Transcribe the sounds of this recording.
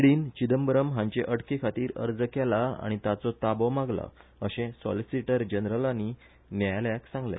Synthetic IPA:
ɽiːnt͡ɕid̪əmbɾəmɦãɲt͡ɕeʔəɽkekʰat̪iːɾə̰ɾd͡zəkɛlaa̰ɽ̃it̪at͡sɔt̪abɔmaɡla̰əɕẽsɔ̰lisiʈəɾd͡ʑənɾəlani | njajljaksãŋɡlḛ

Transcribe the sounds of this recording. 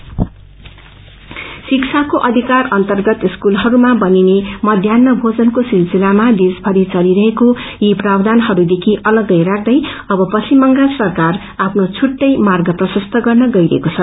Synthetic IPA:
siksʰakoʔʌd̪ʱikarʌnt̪ʌrɡʌt̪iskulɦʌɾumabʌninemʌd̪ʱjanːʌbʱod͡zʌnkosilsilamad̪isbʱʌɾit͡sʌɾiɾʌɦekojiprabd̪anɦʌɾud̪ekʰiʔʌlʌɡʌjrak̚ʰd̪ʌjʌbʌpʌsimːʌŋɡasʌrkar | apʰnot͡sʰuʈːʌjmarɡʌprʌsʌst̪ʰʌɡʌrnʌɡʌjɾʌ̰ḛkot͡sʰʌ

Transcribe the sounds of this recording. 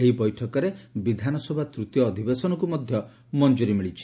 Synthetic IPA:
eɦibɔjʈʰɔkɔɾebid̪ʱanɔsɔbʱat̪ɾut̪jɔːd̪ʱibesɔnɔk̬umɔd̪ʱjɔ | mɔnd͡ʒuɾimiɭit͡ʃʰi̥

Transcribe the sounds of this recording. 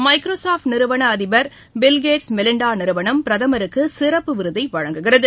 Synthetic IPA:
mɐɪkɾoːsaːfʈnɪɾɯʋɐɳɐːðɪbɐɾ | bɪlɡeːʈsmɛlɪɳɖaːnɪɾɯʋɐɳɐmpɪɾɐðɐmɐɾɯkːɯsɪrɐpːɯʋɪɾɯðɐɪʋɐɻɐŋɡɯɣɪrɐðɯ

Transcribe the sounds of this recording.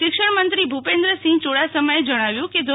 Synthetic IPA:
ʃɪkʃəɽmənt̪ɾibʱupend̪ɾəsĩŋt͡ʃoɽasəməjed͡ʒəɽ̃aʋjũked̪ʱ

